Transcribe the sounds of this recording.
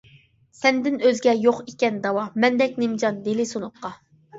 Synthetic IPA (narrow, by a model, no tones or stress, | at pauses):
sɛnd̪ɪnøzɡʲɛjoχikʲɛnd̪ɑwɑmɛnd̪ɛkʲnemd͡ʒɑnd̪elɪsonʊq̚qːɑ